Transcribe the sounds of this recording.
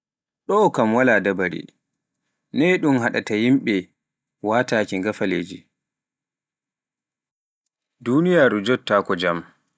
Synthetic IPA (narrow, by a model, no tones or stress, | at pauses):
ɗɔkamwaladabaɾḭ | nɛɗumhaɗatajimɓɛ | waːtaːkiŋɡafaleːd͡ʒi | dunijaɾud͡ʒɔtːaːkɔd͡ʒam